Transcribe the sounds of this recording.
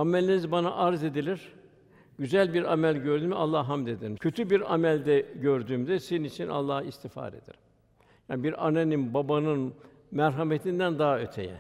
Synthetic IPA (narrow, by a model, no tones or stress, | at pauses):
amelʲinizbanaʔaɾze̞d̪ilʲiɾ̥ | ɟyzælʲbiɾamælʲɟøɾd̪ymɛalˠːahɦamd̪ed̪iɾcʰø̞t̪ʰybiɾa̰mælʲd̪ɛɟøɾd̪yːmd̪ɛseninit͡ʃʰinʔa̰lˠːahist̪ʰifa̰ːɾḛd̪̥ḭɾim | jaːnbiɾa̰neninbabanɯn | mæɾɦamet̪ʰind̪ænd̪aɦaø̞t̪ʰḛjɛ̰